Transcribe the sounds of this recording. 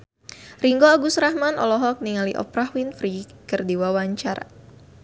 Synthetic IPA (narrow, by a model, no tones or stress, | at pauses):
riŋɡoaɡusɾahmanɔ̰lɔɦɔk̚niŋaliʔɔ̰pɾahwinfɾikərdiwawaɲt͡ʃaɾa